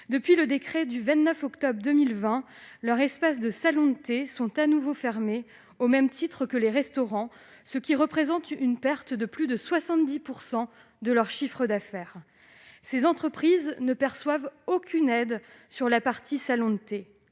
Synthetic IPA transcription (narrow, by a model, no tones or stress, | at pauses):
d̪əpɥiləd̪ekχed̪yvɛ̃t̪nœfɔkt̪ɔbʁd̪əmilvɛ̃ | lœʁɛspas̬d̪əsalɔ̃t̪esɔ̃t̪anuvofɛʁme | omɛmt̪it̪χəkəleʁɛst̪ɔʁɑ̃ | səkʲiʁəpχezɑ̃t̪ynpɛʁt̪d̪əplyd̪əswasɑ̃t̪̚d̪ipuʁsɑ̃ | d̪əlœʁʃifχəd̪afɛːʁ | sezɑ̃t̪χəpχiznəpɛʁswavokʲynɛd̪ | syʁlapaʁt̪isalɔ̃t̪e